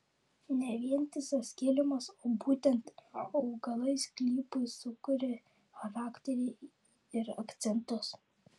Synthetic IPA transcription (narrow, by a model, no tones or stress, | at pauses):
nʲɛʋʲiɛnʲt̪ʲɪsɐsʲkʲeːlʲɪmɐsoːbuːt̪ʲɛnt̪ɐʊɡɐlˠɐɪsklʲiːpɐɪsʊkʊɾʲɛ | xɐɾɑːkt̪ʲɛɾʲɛ | ɪɾɐkt̪sʲɛnt̪ʊs